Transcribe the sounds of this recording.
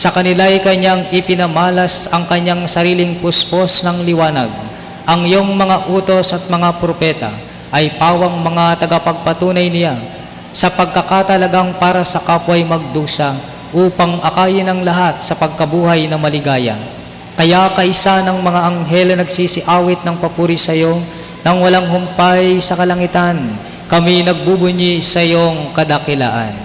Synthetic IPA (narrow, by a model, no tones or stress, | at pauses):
sɐkɐnɪlajkɐɲaŋɪpɪnɐmaːlɐsɐŋkɐɲːaŋsɐɾiːlɪŋpʊsposnɐŋlɪwaːnɐ̰ɡ̚ | ʔɐŋɪjo̞ŋmɐŋaʔuːt̪osɐt̪̚mɐŋapɾopɛt̪ɐ̰ | ʔɐjpaːwɐŋmɐŋat̪ɐɡɐpɐɡ̚pɐt̪uːnɐjnɪla | sɐpɐɡ̚kɐkat̪ɐlɐɡaŋpaːɾɐsɐkaːpwɐjmɐɡ̚d̪uːsɐ | ʔuːpɐŋʔɐkaːjɪnɐŋlɐɦat̪̚sɐpɐɡ̚kɐbuːhɐjnɐmɐlɪɡaːjɐ̰ | kɐjakɐʔɪsanɐŋmɐŋaʔɐŋɦɛlɐnɐɡsisɪʔaːwɪt̪̚nɐŋpɐpuːɾisɐjo | nɐŋwɐlaŋɦʊmpajsɐkɐlɐŋɪt̪an | kɐminɐɡ̚bubʊɲisɐjoŋkɐd̪ɐkɪla̰ːʔɐ̰n